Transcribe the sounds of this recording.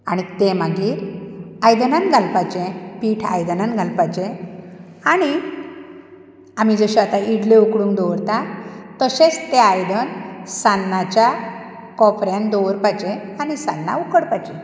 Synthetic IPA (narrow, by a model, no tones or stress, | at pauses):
a̰ɽ̃it̪emaɡiːɾ | ajd̪ənanɡʱalpajt͡ɕẽpiːʈʰa̰jd̪ənanɡʱalpajt͡ɕẽ | aɽ̃i | am̤id͡zəɕat̪aiɽleukɽũŋɡd̪ɔʋɾt̪at̪əɕẽt͡st̪eajd̪ənsanːat͡ɕja | kɔpɾjand̪ɔʋəɾpajt͡ɕẽaɽ̃isanːa̰ukəɽpajt͡ɕẽ